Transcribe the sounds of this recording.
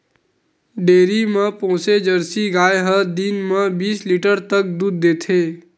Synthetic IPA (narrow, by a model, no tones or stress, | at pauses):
ɖeːɾimə̃pɔ̃ːsed͡ʒəɾsiɡaːjɦəd̪inmə̃biːsliːʈəɾt̪ək̚d̪uːd̪̚ːeːt̪ʰeː